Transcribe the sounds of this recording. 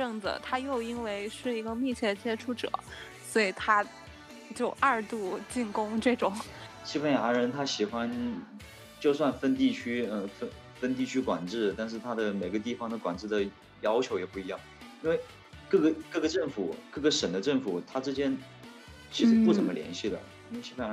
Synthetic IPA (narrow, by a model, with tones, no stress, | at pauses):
ɤ˥˩ŋd͡z̩̰˨˩t̪ʰa˥jo˥˩ʊi˥nwe˥˧ɪʂɻ̩˥˩i˧˥ɡə˧mi˥˧t͡ɕʰjɛ˥˩d̪ə˩t͡ɕjɛ˥ʈ͡ʂʰu˥˩ʈ͡ʂɤ̰˨˩˦ | swɔ˧˥i˨˩t̪ʰa˥ | t͡ɕjo˥˧ʊa˥˧t̪u˥˧t͡ɕi˥˩nkʊ˥ŋʈ͡ʂɤ˥˩ʈ͡ʂʊ˨˩˦ŋ | ɕi˥pʰə˧˥nja˧˥ɻə˧˥nt̪ʰa˥ɕi˨˩xwa˥n | t͡ɕjo˥˧ʊswa˥˧nfə˥nt̪̬i˥˩t͡ɕʰy˥ə˥˧fə˥ | fə˥nt̪̬i˥˩t͡ɕʰy˥kwa˨˩nʈ͡ʂɻ̩˥˩t̪a˥˧nʂ̬ɻ̩˥˩t̪ʰa˥d̪ə˨me˨˩ɪɡə˧˦t̪̬i˥˩fɑ˨˩ŋd̪ə˨kwa˨˩nʈ͡ʂɻ̩˥˩d̪ə˩ | jɑ˥ʊt͡ɕʰjo˧˥ʊjɛ˨˩pu˥˩i˧˥jɑ˥˩ŋi˥nwe˥˧ɪ | kɤ˥˩ɡə˩kɤ˥˩ɡə˩ʈ͡ʂɤ˥˩ŋfu˨˩˦kɤ˥˩ɡə˩ʂə˨˩nd̪ə˦ʈ͡ʂə˥˩ŋfu˨˩˦t̪ʰa˥ʈ͡ʂɻ̩˥t͡ɕjɛ˥n | t͡ɕʰi˧˥ʂɻ̩˥˧pu˥˩t͡sə˨˩mə˦ljɛ̰˧˥nɕi˥˩d̪ə̰˩ | i˥wɕi˥pʰə˥˩ja˧˥